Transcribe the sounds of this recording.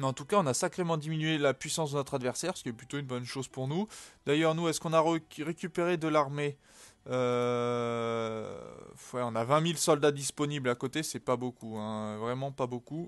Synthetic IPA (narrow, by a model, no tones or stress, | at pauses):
mɑ̃t̪ukaɔ̃nasakχemɑ̃d̪iminɥelapɥisɑ̃sd̪ənɔt̪χad̪vɛʁsɛʁsə̥kʲiɛplyt̪oynbɔnʃozpuʁnud̪̥ajœʁnuɛskɔ̃naʁʁekʲypeʁed̪əlaʁme | ø | fwɛɔ̃navɛ̃milsɔld̪ad̪ispɔniblakot̪esɛpabokuɛ̃øvʁɛmɑ̃paboku